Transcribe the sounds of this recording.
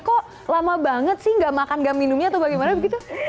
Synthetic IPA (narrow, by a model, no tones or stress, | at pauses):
kɔʔ | lamabaŋət̪̚sɪhŋɡaʔmakanɡaʔminʊmɲat̪awbaɡɛjmanabəɡit̪u